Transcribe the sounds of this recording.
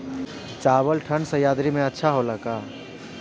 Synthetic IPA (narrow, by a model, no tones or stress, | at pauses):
t͡ʃabəlʈʰənsə̃jaːd̪ɾimẽətːʃʰaɦoləka